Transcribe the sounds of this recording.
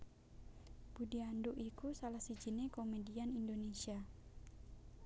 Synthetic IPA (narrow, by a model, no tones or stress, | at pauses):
b̥udianduʔikusalahsid͡ʒinekomedianindonesia